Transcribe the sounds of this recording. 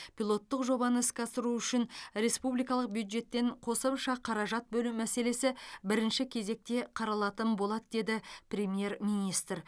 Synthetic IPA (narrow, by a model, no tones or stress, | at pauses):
pʰʲilˠo̞t̪ːəqʒo̞bɑnəɪskʲɑsəɾuʏʃɪnɾe̞spublijkɑlˠəq̚bjud̪ʒe̞t̪ːe̞ɴqʰo̞səmʃɑqʰɑɾɑʒɑt̪̚bɵlumæse̞le̞sɪbɪɾɪnʃɪkʲʰe̞ze̞k̚t̪e̞qʰɑɾɑlˠɑt̪ənbo̞lˠɑd̪əd̪e̞d̪ɪprʲe̞mje̞ɾmijnist̪r